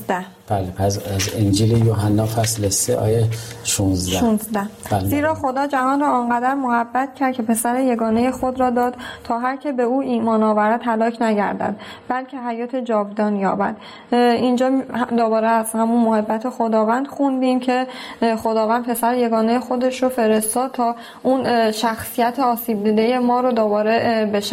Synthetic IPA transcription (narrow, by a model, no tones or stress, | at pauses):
zd̪æh | b̥æːlepʰæsæzend͡ʒiːlejoɦænːɒːfæslesːeʔɒ̰ːjeʃunzdʃæʃunzd̪æhbælziːɾɒːxo̞d̪ɒːd͡ʒæhɒːnrɒːɒnɢæd̪æɾmohæbːæt̪̚ʰcʰæɾd̪̚kʰe̞pʰe̞sæɾeje̞ɡɒːne̞jexod̪ɾɒːd̪ɒːd̪̥t̪ʰɒːɦæɾcʰe̞be̞uːiːmɒːnɒːvæɾæd̪ɦælɒːcʰnæɟæ̰ɾd̪æ̰d̪̚ | bælcʰe̞ɦæjɒːt̪ʰe̞d͡ʒɒːvd̪ɒːnjɒːbæ̰d̪̥ | ind͡ʒɒːd̪obɒːɾeæshæmunmohebːæt̪ʰexod̪ɒːvæːnd̪̥xund̪iːmcʰe̞xod̪ɒːvæːnd̪̚pʰe̞sæɾeje̞ɡɒːnejexo̞d̪e̞ʃɾofe̞ɾe̞st̪ɒːd̪̚t̪ʰɒː | unʃæxsijæt̪ʰeɒːsiːb̚d̪iːd̪eje̞mɒːɾod̪obɒːɾe̞beʃæ